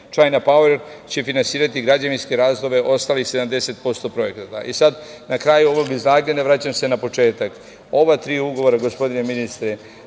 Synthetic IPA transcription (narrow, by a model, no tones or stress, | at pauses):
t͡ʃajnapaweɾ | t͡ɕe̞finansiːɾat̪iɡɾad͡ʑaninske̞ɾaːzd̪ˠo̞ʋe̞ʔo̞st̪aːlixse̞d̪amd̪e̞se̞t̪̚po̞st̪opɾo̞e̞kt̪at̪a̰ʔisad̪nakɾajuo̞ʋo̞ɡiznaːɡɲenaʋɾaːt͡ɕamse̞napo̞t͡ʃe̞ːt̪ak | o̞ʋat̪ɾiːuɡo̞ʋo̞ɾaɡo̞spo̞d̪ineminist̪ɾe